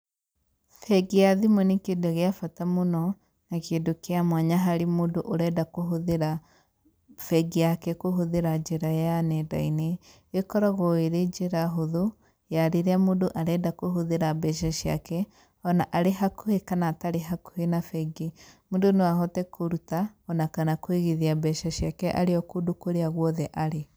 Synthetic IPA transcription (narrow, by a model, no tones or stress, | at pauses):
fɛɡiaðimonekedoɣeafatamonɔ | nakeːdokeamwaɲaɦaɾemodoʔoɾɛdakoɦoðeɾa | fɛɡejakɛkoɦoðeɾad͡ʒeɾajanɛda̰ine | ekɔɾaɣɔeɾed͡ʒeɾaɦoðo | jaɾeɾeamodoʔaɾɛdakoɦoðeɾabɛʃ̬ɛʃia̰kɛ | ɔnaʔaɾeɦakohekanataɾeɦako̥henafɛɡemodonewaɦɔtɛkʰoɾutaɔnakanakweɣeðiabɛʃɛʃiakɛʔa̰ɾeɔkodokoɾeaɣwɔðɛʔaɾe